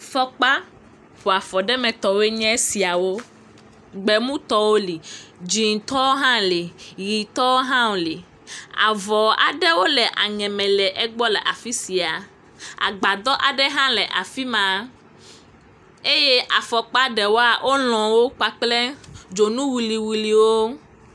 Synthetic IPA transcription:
fɔ˦k͡pa˦ | ɸo˨a˨fɔ˨ɖɛ˦mɛ̃˨t̪ɔ˨we˦ɲɛ̃˦si˨a˨wo˦ | ɡ͡bɛ˨mũ˦t̪ɔ˦wo˦li˨d͡ʒi˨ŋ˨t̪ɔ˦o˦ɦã˦li˨ji˨t̪ɔ˦wo˦ɦã˦wo˨li˨ | a̰˨vɔ˨a̰˨ɖɛ˦wo˦lɛ˨ʔa̰˨ɲɛ̃˨mɛ̃˨lɛ˨ʔɛ˦ɡ͡bɔ˦lɛ˨ʔa˨fi˦si˨a˨ | a̰˨ɡ͡ba˨d̪ɔ˦ʔa˨ɖɛ˦ɦã˦lɛ˨ʔa˨fi˦mã˨ | e˦je˦ʔa˨fɔ˨k͡pa˦ɖɛ˨wo˦a˨ʔo˦lɔ̃˨wo˦k͡pa˦k͡plɛ˦d͡ʒo˨nũ˦wi˨li˨wi˨li˨wo˦

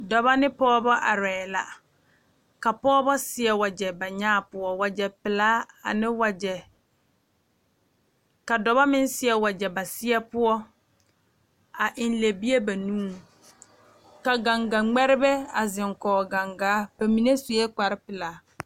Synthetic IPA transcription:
dɔ˨ba˦nɪ˦pɔː˦bɔ˦ʔa˨ɾɛː˨la̰˨ | ka˨pɔː˦bɔ˦sɪ˦ɛ˦wa˨d͡ʒɛ˨ba˨ɲaː˦˨pʊ˦ɔ˦wa˨d͡ʒɛ˨pɪ˨laː˦a̰˨nɪ˦wa˨d͡ʒɛ˨ | ka˨dɔ˨ba˦mɪ˦nsɪ˦ɛ˦wa˨d͡ʒɛ˨ba˨sɪ˦ɛ˦pʊ˦ɔ˦ | a˨ʔɪ˨n˦le˨bi˦e˦ba˨nũː˦ | ka˨ɡa˨ŋɡa˨ŋ͡mɛ˦ɾɪ˦bɛ˦a˨zɪ˨ŋkɔː˨ɡa˨ŋɡaː˨˦b̥a˨mi˨ne˦su˨jɛ˦k͡pa˨ɾɪ˦pɪ˨laː˨˦

